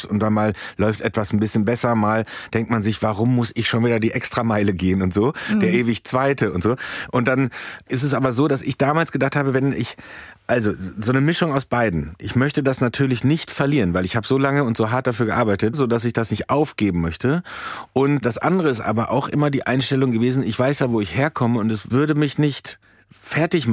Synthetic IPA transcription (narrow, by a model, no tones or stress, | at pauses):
sʊnt̚d̥anmaːllɔʏftʔɛtv̥asn̩bɪsçənbɛsɐmaːld̥ɛŋk̚tmanzɪçv̥aʁʊmːʊsɪçʃoːnviːdɐdiːʔɛkstʁ̥amaɪləɡeːənʊntz̥oːd̥eːɐʔeːvɪçt͡sv̥aɪtʰəʊntz̥oːʔʊnt̚d̥anʔɪstɛs̬ʔaːbɐzoːdasɪçd̥aːmaːlsɡ̥ədaχthaːbəvɛnɪçʔalzozoːnəmɪʃʊŋaʊsb̥aɪdn̩ʔɪçmœçtədasnatʰyːɐlɪçnɪçtfɛɐliːʁənvaɪlɪçhaːbəzoːlaŋəʊntz̥oːɦaɐt̚d̥afyːɐɡəʔaɐbaɪtətzoːdas̬ɪçd̥asnɪçtʔaʊfɡ̥eːbm̩mœçtəʔʊntd̥asʔa̰ndəʁəɪstʔa̰ːbɐʔa̰ʊxʔɪmɐdiːʔa̰ɪnʃtɛlʊŋɡəveːzn̩ɪçv̥aɪsjaːvoːɪçheːɐkʰɔməʊntɛsv̥ʏɐɾəmɪçnɪçt | fɛɐtɪçm